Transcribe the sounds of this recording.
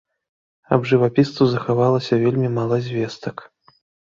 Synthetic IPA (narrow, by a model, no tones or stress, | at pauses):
ɐbʐɨvapʲist̪uzɐxavalˠɐsʲɐvʲelʲmʲimalˠɐzʲvʲɛst̪ɐk